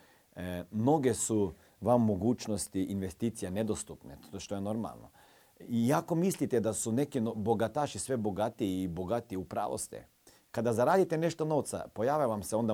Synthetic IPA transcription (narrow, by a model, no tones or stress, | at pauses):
mno̞ɡe̞su | ʋamːoɡuːt͡ʃnost̪iinʋest̪iːt̪sijaned̪ost̪upneoʃt̪ojeno̞ɾma̰lˠno̰ | ijako̞mislit̪ed̪asune̞kinboɡat̪aːʃisʋe̞bo̞ɡat̪iːbo̞ɡat̪iupɾa̰ːʋo̰st̪ḛ | kad̪azaɾaːd̪it̪ene̞ʃt̪ono̞ʋt̪sa̰po̞jaːʋjaʋamseo̞nd̪a